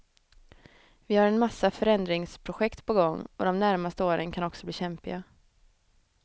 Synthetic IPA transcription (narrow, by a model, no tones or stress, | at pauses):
vɪhaɾɛnmasːafœɾɛnd̪ɾɪŋspʰɾʊɧɛkt̪pʰɔɡɔŋːɔd̪ɔmnæɾmast̪əoːɾənkʰanɔksɔbliːɕɛmpɪɡa